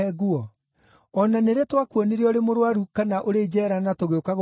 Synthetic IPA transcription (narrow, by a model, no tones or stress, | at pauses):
ɛɣuɔ | ɔnaneɾetwakuɔneɾiɔɾemoɾwaɾukanaʔoɾed͡ʑɛːɾanatoɣeokaɣ